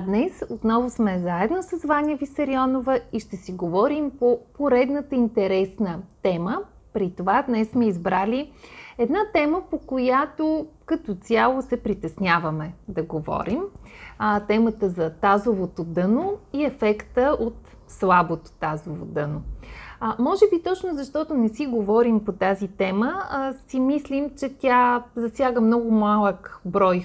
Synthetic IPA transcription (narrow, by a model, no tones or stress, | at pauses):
d̪nɛsot̪nɔvosmɛzaɛd̪nosəzvanʲəvisɐɾiɔnovəiʃt̪ɛsiɡovɔɾimpopoɾɛd̪nət̪əint̪ɛɾɛsnət̪ɛmə | pɾit̪ovad̪nɛssmɛizbɾalʲiɛd̪nat̪ɛməpokojat̪okɐt̪ot̪sʲjalˠosɛpɾit̪ɛsnʲjavəmɛd̪ɐɡovɔ̰ɾim | t̪ɛmət̪əzɐt̪azovot̪od̪ɤnoiɛfɛkt̪əʔot̪ | slˠabot̪o̥t̪azovo̰d̪ɤno | mɔʒɛbit̪ɔt͡ʃnʊzɐʃt̪ɔt̪ʊnɛsiɡovɔɾimpot̪azit̪ɛməsimislʲimt͡ʃɛt̪ʲazɐsʲjaɡəmnɔɡʊmalˠəkbɾɔj